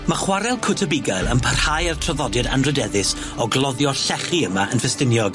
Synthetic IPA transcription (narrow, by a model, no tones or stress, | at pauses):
maχwaɾɛlˠkʰʊtʰəbɪɡajlˠəmpʰərhajartʰrɔðɔdɨda̰nrɨdɛðɪs | ɔɡlˠɔðjɔɬɛχiəmaənfɛstɪnjɔɡ̥